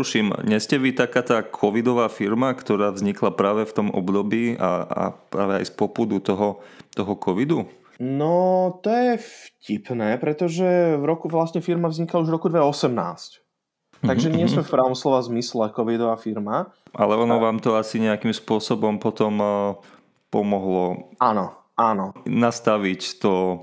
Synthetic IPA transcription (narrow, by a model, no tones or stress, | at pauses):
uʃimɲɛscɛʋit̪akaːt̪aːkʰɔʋid̪ɔʋaːfiɾmakt̪ɔɾaːvzɲiklapɾaːʋɛft̪ɔmʔɔ̰bd̪ɔbiːʔa̰a̰pɾa̰ːʋɛa̰jspɔpud̪ut̪ɔɦɔt̪ɔɦɔkʰɔʋid̪u | nɔt̪ɔjɛfcipnɛːpɾɛt̪ɔʒɛʋɾɔkuʋlasɲɛfiɾmavzɲikauʒɾɔkud̪ʋɛɔsɛmna̰ːsc | t̪aɡʒɛɲɪɛsmɛfpɾaːʊʋɔmslɔʋazmislɛkɔʋid̪ɔʋaːfiɾmaʔa̰lɛɔnɔʋaːmt̪ɔasiɲɛakimspʊɔsɔbɔmpɔt̪ɔm | pɔmɔɦlɔanɔ | anɔnast̪aʋict̪ɔ